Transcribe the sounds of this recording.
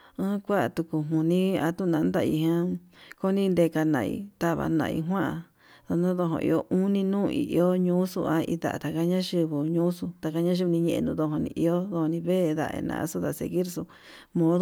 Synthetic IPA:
ɨ̃˦kʷa˦ʔt̪u˧ku˧ɦũ˨nĩ˦a˧t̪u˦˨nã˧˨˧nd̪a˧ḭ˧ɦã˦ko˦nĩ˦˧nd̪e˧ka˧nã̰˧˨ḭ˧t̪a˦βa̰˧nã̰˧ḭ˧ɦwã˦ʔa˧ | ðo˧nũ˦ðo˧ɦõ̰˧ʔḭ˧o˦ʔũ˦nĩ˧nũː˦˧ḭ˨ʔo˦ɲũː˦sṵ˧a˦ḭ˧d̪a̰˨ʔa̰˨t̪a˨ka˧˦ɲã˦ʃi˧βu˨ɲũ˦su˧t̪a˧˨ka˧ɲã˦ʃ̬i˧u˧nĩ˧ɲẽ˧ḛ˧nũ˧ðo˧ɦõ˧nḭ̃˧ʔi˧o˦ðo˧ho˧nĩ˧βe˦˧ða̰˧ʔḛ˧nã̰˧ʔsu˦ða˧sḛ˧˨ɣi˦ɾsu˧ | mõ˧˦ðo˦

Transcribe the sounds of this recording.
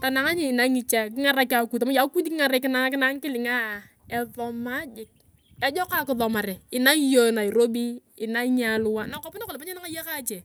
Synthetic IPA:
ta˨na˨ŋa˦ɲɪ˦˨na˦ŋi˦t͡ʃa˦k̬ɪ˦ŋa˦ɾa˦ka˨ku˨ta˨ma˦ja˨˦ku˦di˦kɪ˦ŋa˨ɾe˨kɪ˦na˦kɪ˦na˦ŋ˦kɪ˦lɪ˨ŋa˦˨ | ɛ˨ðɔ˨ma˦d͡ʒɪ˨k̚ | ɛ˦d͡ʒɔ˦ka˦kɪ˦ðɔ˨ma˨ɾɛ˨ɪ˨na˦jo˦˨na˨i˨ɾo˦bi˦ɪ˨na˦ɲa˦lʊ˦wa˦na˨kɔ˦pɪ˦na˦kɔ˨lɪ˨pa˦ɲe˦na˦ŋa˦ja˦ka˦t͡ʃe˨

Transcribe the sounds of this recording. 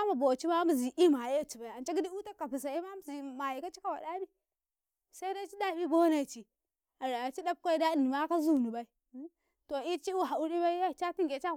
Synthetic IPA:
a˦ma˨bo˨t͡ʃi˦ma˦m˦˨zi˨ʔi˦ma˨je˦˨t͡ʃi˨ba˨i˨a˨nt͡ʃa˦ɡi˦di˦u˦ta˦ka˨pi˨s̬a˨i˦ma˦m˦zi˨ma˨ji˨ka˦t͡ʃi˦ka˦wa˨da˦bi˦ | sa˦i˦na˦t͡ʃi˦da˦˨bi˦bo˦na˨i˨t͡ʃi˨ | a˨ɾa˨t͡ʃi˦da˦b̚kʷa˦i˦da˦i˨ni˨ma˦ka˦zu˦˨ni˨ba˦i˦ | to˨i˦t͡ʃi˦u˦˨ɦa˨u˦ɾi˦ba˦i˦ja˦˨t͡ʃa˦ti˦ŋɡe˨t͡ʃa˦˨

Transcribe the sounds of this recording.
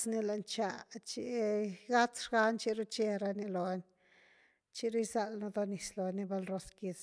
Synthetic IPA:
sni˧la˨nt͡ʃa˧t͡ʃi˧ɡa˦t͡sʂɡa˦nt͡ʃi˦ɾu˦t͡ʃe˧ɾa˧ni˧lo˨˦nʲ | t͡ʃi˦ɾu˦jza˧lno˧d̪o˧ni˨˧slo˨ni˧ba˧lɾo˧ski˧t͡s

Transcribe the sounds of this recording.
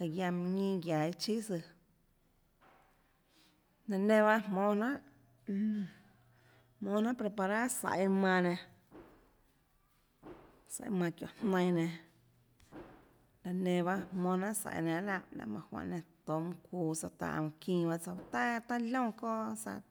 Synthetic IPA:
ka˨ɡja˧m˧ɲĩː˦ɡja˨i˦t͡ʃi˦sɨ˧ | nã˧nẽ˧βa˦ʔmmõː˧nã˦ʔ | hmõː˧nã˦pɾe˧pa˧ɾa˦sa̰˨ʔi˧mã˧nẽ˧ | sa̰˨˦mã˧kjõ̰˨n̥nə̃˧j̃nẽ˧ | la˧nẽ˧βa˦hmõː˧nã˦ʔsa̰˧˨ʔnã˧ʔlã˧˨ʔlã̰˧mã̰˧hwã̰˧˨ʔnẽ˧t̪o˨mũ˧kʷuː˧˨sa˧t̪a̰˧ʔkĩː˧ba˦t͡sa˧˨˧t̪a˦t̪a˦lõ˦ko˦sa̰˧

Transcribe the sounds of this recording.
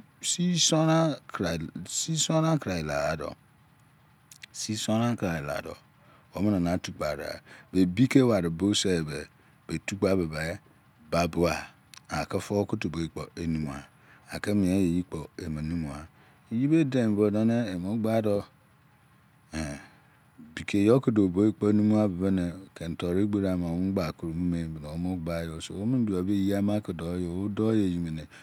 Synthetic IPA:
si˦sɔ˦na˦˨ | si˦so˦na˦kɾa˨i˨la̰˨a˨dɔ̰˨ | si˦so˦na˦kɾa˨la̰˨dɔ̰˨ | wo˨˦me˦na˨na˨˦tu˦k͡pa˨ɾa̰˨be˨bi˦ke˦wa˨ɾe˨bo˦se˦e˨be˨ | b̥e˨tu˦ɡ͡ba˦be˨ba˨˦ | ba˨bo˦a˨ | a˨ke˦fo˦ku˦tu˨bo˨i˨k͡po˨e˨nũ˨m˨a˨ | a˨ke˦mĩ˨e˦je˨ji˦k͡po˨e˨me˨nĩ˦mu˨a˨ | e˨ji˦be˦de˨m˨bo˨da˦ne˦e˨mo˦ɡ͡ba˦dɔ˦ | e˨ | bi˨kʰe˨jo˦ki˦do˨bo˦i˦k͡pɔ˦e˦nũ˦mu˦a˦be˨be˦ne˨kʰe˨n̩˨tɔ˨ɾe˦ɡ͡be˦ɾa˨ma˨˦ɡ͡ba˨ku˨ɾo˨mu˦me˨˦bno˨o˦mo˦ɡ͡ba˦jo˦so̰˨wo˦mĩ˦n˦du˨a˨be˦ji˦a˦ma˦ki˨do˨˦jo˨o˦dɔ˦je˨ji˨me˨ne˨

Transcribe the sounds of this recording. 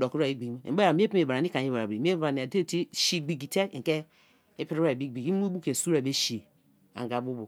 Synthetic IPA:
do˨ku˦ɾa˨i˦ɡ͡bi˨ɡ̰̩˦˨˦e˦a˨mi˦e˦pi˦e˨ba˨ɾa˨ni˦ka˨ɲi˦ba˨ɾa˨bɾi˨m˦e˦˨a˨ni˨a˨de˦˨ti˦ʃi˦ɡ͡bi˨ɡi˨te˦˨ŋ̩˨ke˦ | e˦pi˦ɾi˦a˨bi˦ɡ͡bi˨ɡi˦u˦bu˦ke˨su˦ɾa˨be˦ʃi˨ | a̰˨ŋɡa˨bu˦bo˨

